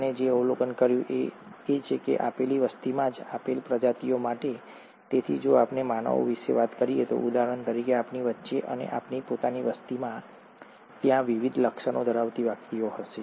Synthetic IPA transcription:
ned͡ʒeəwlokənkəɾjũʔe | et͡ʃʰekḛʔa̰peliʋəst̪imãd͡ʒapelpɾəd͡ʒat̪ijomaʈe | t̪et̪ʰid͡ʒoapnemanə̰ʋo̰ʋiʃḛʋat̪kəɾiet̪o̰ʔud̪aɦəənt̪əɾikeapniʋətːʃeʔə̰nḛʔapnipot̪aniʋəst̪imã | t̪jãʋiʋid̪ʱləkʃənod̪ʱəɾaʋt̪iʋakʰɾijoɦəʃe

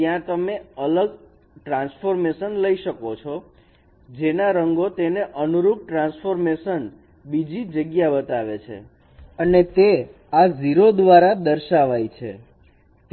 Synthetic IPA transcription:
jãt̪əmeələɡ | ʈɾãnsfoɾmeʃənləiʃəkot͡ʃʰɔ | d͡ʒenaɾəŋɡot̪eneʔənuɾup̚ʈɾãnsfoɾmeʃən | bid͡ʒid͡ʒəɡjabət̪aʋet͡ʃʰḛ | ənet̪e | aziɾod̪ʋaɾad̪əɾʃaʋajt͡ʃʰḛ

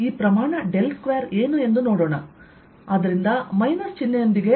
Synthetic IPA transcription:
iːpɾɐmaːɳɐɖe̞lʈkʋejɐɾe̞ːnue̞nd̪unoːɽoːɳɐ | ɐd̪ɐɾind̪ɐmɐjnɐɾt͡ʃinːɐjond̪iɡe̞

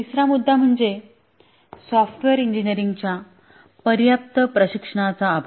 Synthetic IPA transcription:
t̪isɾamud̪ʱːam̤əɳd͡ze | sɔfʈʋeɾiɲd͡ʑiniɾiŋɡt͡ɕja | pəɾjap̚t̪əpɾəɕikʂəɽ̃at͡saːbʱ

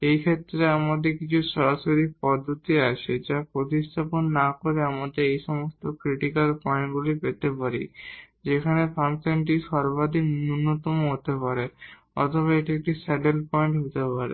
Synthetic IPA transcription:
ejkʰet̪ːɾeamad̪eɾkit͡ɕʰuʃɔɾaʃoɾipɔd̪ʱːot̪iaʃʰed͡ʑapɾot̪iʃt̪ʰaponːakoɾeamad̪eɾejʃɔmost̪okɾiʈikalpɔeɳʈɡulipet̪epaɾi | d͡ʑekʰanepʰamsenʈ̬iʃɔɾbad̪ʱiknunːot̪ɔmoɦot̪epaɾe | ɔ̰t̪ʰoβaeʈaek̚ʈisaʈelpɔeɳʈɦot̪epaɾḛ

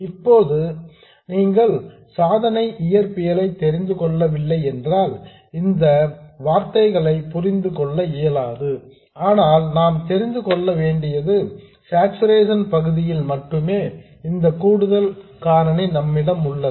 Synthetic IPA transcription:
ɪpːoːðɯ | niːŋɡɐɭ | saːðɐnɐɪʔɪjɐɾpɪjɐlɐɪt̪ːɛɾɪnd̪ɯkɔɭːɐʋɪlːɐɪɛndraːl | ɪnd̪ɐʋaːɾt̪ɐɪɣɐɭɐɪpʊrɪnd̪ɯkɔɭːɐɪjɐlaːðɯ | aːnaːlnaːmt̪ɛɾɪnd̪ɯkɔɭːɐʋeːɳɖɪjɐðɯ | saːksɯɾeːs̬ɐnpɐɣɯðɪjɪlmɐʈrɯmeː | ɪnd̪ɐkuːɽɯðɐlkaːɾɐnenɐmːɪɽɐmʊɭːɐ

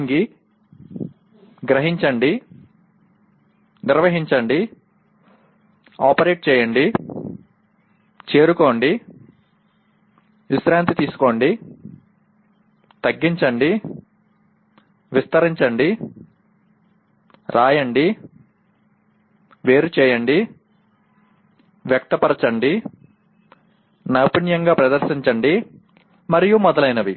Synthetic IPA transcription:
ŋɡi | ɡɾɐɦiɲt͡ʃɐɳɖi | niɾʋɐɦiɲt͡ʃɐɳɖi | aːpɐɾe̞ːʈ̚t͡ʃɛːjɐɳɖi | t͡ʃe̞ːɾuko̞ːɳɖi | ʋisɾaːnt̪it̪iːsu̥koːɳɖi | t̪ɐɡːiɲt͡ʃɐɳɖi | ʋist̪ɐɾiɲt͡ʃɐɳɖi | ɾaːjɐɳɖi | ʋe̞ːɾut͡ʃɛːjɐɳɖi | ʋjɐk̚t̪ɐpɐɾɐt͡ʃɐɳɖi | nɐpinjɐŋɡaːpɾɐd̪ɐɾsiɲt͡ʃɐɳɖi | mɐɾijumɔd̪ɐlɐjnɐʋi

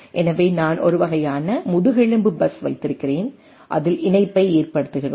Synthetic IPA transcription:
ʔɛnɐʋeːnaːnʔɔ̰ɾɯʋɐɣɐjaːnɐmʊðɯɣɛɻɯmbɯbɐsʋɐɪt̪ːɪɾɯkːɪreːn | ʔɐ̰ðɪlɪnɐɪpːɐɪeːrpɐɽɯt̪ːɯɣɪroː

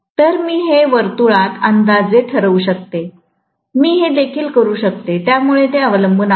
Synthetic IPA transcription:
t̪əɾmiːɦeʋəɾt̪uɭat̪ənd̪ad͡zet̪ʰəɾəʋuːɕək̚t̪e | miːɦed̪ekʰiːlkəɾuːɕək̚t̪et̪jamuɭet̪̬eəʋləmbʱəna

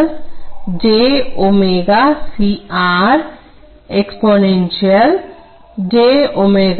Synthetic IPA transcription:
ld͡ʑeomeɡasiaɾ | eksponenʃial | d͡ʑeomeɡ

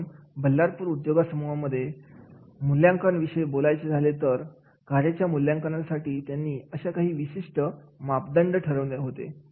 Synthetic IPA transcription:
bəlːaɾpuːɾud̪joɡasəmɔʋaməd̪ʱːje | muljaŋkəɳʋiɕəebolajt͡sed͡zʱalet̪əɾ | kaɾjat͡ɕjamuljaŋkəɳasaʈiːt̪janːiːəɕakaɦiːʋiɕiʂʈəmap̚d̪əɳɖəʈʰəɾəʋneɦot̪ḛ

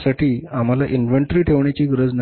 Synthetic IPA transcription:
saʈiːam̤alaʔinʋeɳʈɾiːʈʰeʋɳjat͡ɕiːɡɾəd͡zn

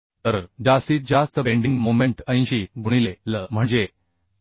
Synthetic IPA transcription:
t̪əɾd͡ʑast̪iːd͡ʑast̪əbeɳɖiŋɡmomẽɳʈə̃j̃ɕiɡuɽ̃ileləm̤əɳd͡ʑe

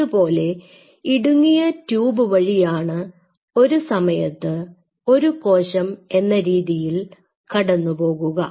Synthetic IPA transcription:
upo̞ːle̞ | iɽuŋːijɐtjuːbɨʋɐɻijaːɳɨ | o̞ɾusɐmɐjɐt̪ːɨ | o̞ɾuko̞ːɕɐme̞nːɐɾiːðijil | kɐɽɐnːupo̞ːɣuɣɐ

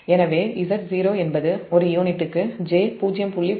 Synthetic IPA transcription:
ɛnɐʋeːɪsɐɾziːɾoːɛnbɐðɯɔɾɯjoːnɪʈ̪ːɯkːɯd͡ʒeːpuːd͡ʒɪjɐmpʊɭːi

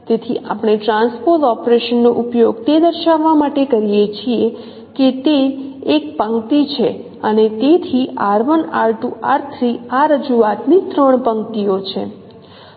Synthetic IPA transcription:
t̪et̪ʰiʔa̰pəɽ̃ɳ̃eʈɾãnspoɾt̪ɔpɾeʃənːoʔupjoɡt̪ed̪əɾʃaʋːamaʈekəɾijet͡ʃʰie | ket̪eːkpə̃ŋt̪it͡ʃʰe | ənet̪et̪ʰiaɾʋənaɭt̪ua̰ɾt̪ʰɾiaɾəd͡ʒuat̪nit̪ɾəɳpəŋkt̪iot͡ʃʰe

